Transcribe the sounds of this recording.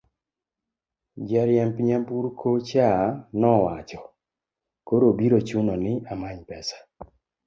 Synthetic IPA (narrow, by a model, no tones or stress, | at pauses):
d͡ʒaɾjɛmpiɲampuɾkʰot͡ʃanɔwat͡ʃɔ | koɾobiɾot͡ʃunɔnɪamaɲpɛsḁ